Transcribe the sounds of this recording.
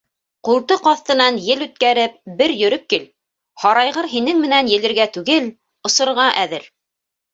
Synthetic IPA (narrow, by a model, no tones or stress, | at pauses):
qulˠt̪ɤqɑθt̪ɤ̆nɑnjɘlʉt̪̚kæɾɘp̚bɘɾjɵ̆ɾɵp̚kil | hɑɾɑjʁɤɾɦinɘŋmɘ̆nænjɘ̆lɘ̆ɾɡæt̪ʉɡɘl | ŏsɤ̆ɾʁɑʔæðɘɾ